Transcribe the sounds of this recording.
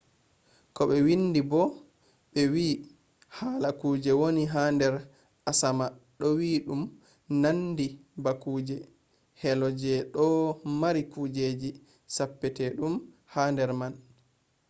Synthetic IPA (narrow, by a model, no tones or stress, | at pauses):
kɔɓɛwinːdibɔ | ɓɛwiː | haːlakuːd͡ʒɛwoniɦaːndɛɾ | asamaɗɔwiːɗum | nandibakuːd͡ʒɛ | hɛlɔd͡ʒɛɗɔmaɾikud͡ʒeːd͡ʒi | sapːɛtɛɗum | haːndɛɾman